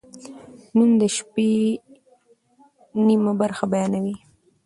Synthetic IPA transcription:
numd̪əʃpe | nimabaɾxabajɑnawi

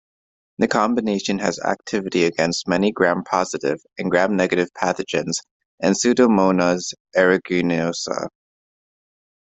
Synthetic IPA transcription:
ðɨkʰɑ̃mbɨneɪʃɨ̃nɨ̰zæ̰k̚tʰɪvɨɾiɨɡɛ̃nst̚mɛniɡɹæ̃mpʰɑzɨɾɪ̰v | ɨ̃nɡɹæ̃mnɛɡɨɾɨv̥pʰæθɨd͡ʒɨ̃nz̥ | ɨ̃nsʉɾomõʊ̃nəzʔɛɹɨɡʉnoʊsə̰

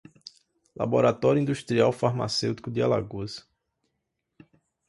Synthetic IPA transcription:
la̰boɾat̪ɔɾjʊĩd̪uʃt̪ɾiawfaɾma̰sewt̪i̥kʊd̪ɪala̰ɡoz

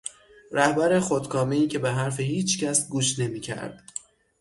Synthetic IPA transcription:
ɾæhbæɾexod̪kʰɒːmeiːcʰe̞beɦæɾfehiːt͡ʃʰcæsɡuːʃne̞miːcʰæ̰ɾd̪̥

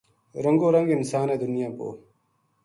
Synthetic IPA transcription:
ɾɐŋɡoːɾɐŋɡɪnsaːneːd̪ʊnjaːpo̰ː

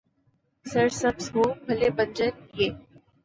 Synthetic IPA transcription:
sɐɾsəbsɦoːbʱɐlebə̃nd͡ʒənjeː

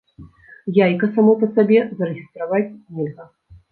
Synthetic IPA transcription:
jajkɐsamɔpɐsabʲɛzɐɾɨɣʲist̪ɾavat͡sʲnʲɛlʲɣɐ

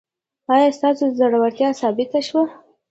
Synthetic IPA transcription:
ɑjɑst̪ɑsod̪əzaɽawaɾt̪jɑsɑbɪt̪aʃwa

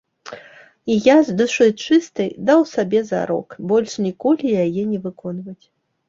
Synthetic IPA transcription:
ijazd̪ɐʂɨjt͡ʂɨst̪ɐjd̪awsabʲɛza̰ɾɔ̰kbɔlʲʂnʲikɔlʲijajɛnʲɛvɨkɔnvɐt͡sʲ

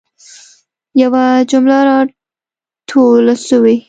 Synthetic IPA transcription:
jawad͡ʒʊmlaɾɑ | ʈʰolasəwe

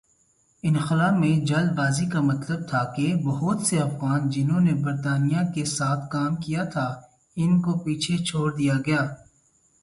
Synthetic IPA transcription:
ɪnxɪlaːmẽd͡ʒɐlbaːzikamɐt̪ləb̚t̪ʰakebɐɦʊt̪seɐfɣaːnd͡ʒɪnɦõnebɐɾt̪aːnijakesaːt̪ʰkaːmkijat̪ʰa | ɪnkopiːt͡ʃʰet͡ʃʰoːɽd̪ijaɡɐjaː

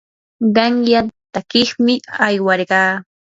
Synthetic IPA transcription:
ɢɑŋjat̪akɪχmɪajwɑɾɢɑː

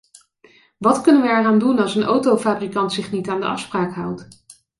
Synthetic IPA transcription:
ʋɑtkɵnənʋəɛraːndunɑlˠsənʔowtowfaːbrikɑntsɪχnitaːndəʔɑ̰fspraːkɦʌwt

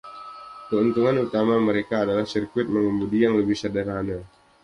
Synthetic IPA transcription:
kəunt̪uŋanut̪amaməɾekaːdalahsirkuɪt̪̚məŋəmudijaŋləbɪhsadəɾana

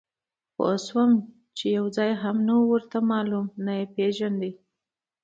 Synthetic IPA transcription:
po̰swəm | t͡ʃejawd͡zɑjɦamnawuwəɾt̪amɑlumnajepeʒand̪e

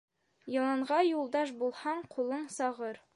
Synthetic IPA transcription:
jɑ̆lˠɑɴʁɑjulˠd̪ɑʃbulˠhɑɴqʰulˠɤɴsɑʁɤɾ

